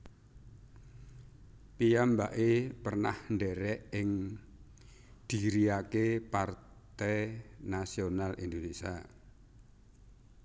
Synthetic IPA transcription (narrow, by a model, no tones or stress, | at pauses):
pijambaʔepərnahnɖɛɾɛʔɪŋ | d̪̥iɾiakepar | t̪ɛjnasionalʔind̪onesia